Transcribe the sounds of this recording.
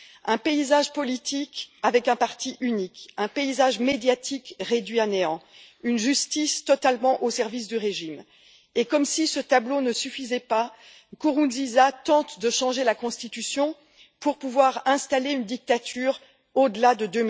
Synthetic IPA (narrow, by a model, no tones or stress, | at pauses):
ɛ̃peizaʒpɔlit̪ʰikavɛkɛ̃paʁt̪iʔynikɛ̃peizaʒmed̪jat̪ʰikʁed̪ɥianeɑ̃ynʒyst̪ist̪ɔt̪almɑ̃ʔosɛʁvis̬d̪yʁeʒim | ekɔmsisət̪ablonəsyfizɛpa | kuʁuzizat̪ɑ̃t̪d̪əʃɑ̃ʒelakɔ̃st̪it̪ysjɔ̃ | puʁpuvwaʁɛ̃st̪aleynd̪ik̚t̪at̪ʰyːʁ | od̪əlad̪əd̪øm